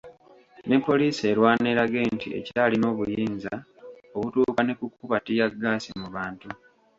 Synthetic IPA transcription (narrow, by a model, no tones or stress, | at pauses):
ne̞pːo̞liːse̞ːɾwaːne̞ːɾaɡe̞ːntḭe̞̰citalino̞ːβujiːnza | oβutuːkane̞kukːuβatijaɡːaːsimuβaːntu